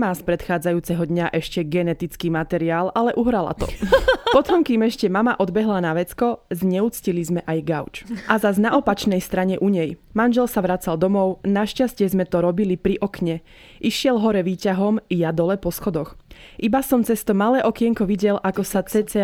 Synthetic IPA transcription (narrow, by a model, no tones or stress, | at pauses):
maːspɾɛt̪xaːd͡zajuːt͡sɛɦɔd̪ɲaʔɛʃcɛɡɛnɛt̪it͡skiːmat̪ɛɾiaːlalɛʔuɦɾala̰t̪ɔ̰pɔt̪ɔmkimɛʃcɛmamaʔɔd̪bɛɦlanaʋɛt͡skɔzɲɛut͡scilizmɛʔajɡaʊt͡ʃʔazaznaʔɔpat͡ʃnɛjst̪ɾaɲɛʔuɲɛjmanʒɛlsaʋɾat͡sald̪ɔmɔʊnaʃcascɪɛzmɛt̪ɔɾɔbilipɾiʔɔkɲɛ | ʔiʃɪɛlɦɔɾɛʋiːcaɦɔmjad̪ɔlɛpɔsxɔd̪ɔxʔibasɔmt͡sɛst̪ɔmalɛːʔɔkɪɛŋkɔʋiɟɛlʔakɔsat͡sɛt͡sɛ